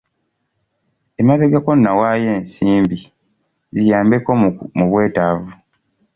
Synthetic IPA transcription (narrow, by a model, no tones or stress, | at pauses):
emaβeɡako̞nːawaːjeːnsiːmbi | zijaːmbeko̞muβwe̞ːtavu